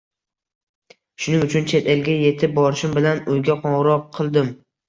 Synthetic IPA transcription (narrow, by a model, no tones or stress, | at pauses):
ʃʊnɪŋʊt͡ʃʰʊnt͡ʃʰet̪ʰelɡʲaje̞t̪ʰɪp̚bɒɾɪʃɪmbɪlanojɡʲaqʰɒʁɾɒqʰɨlˠd̪ɪm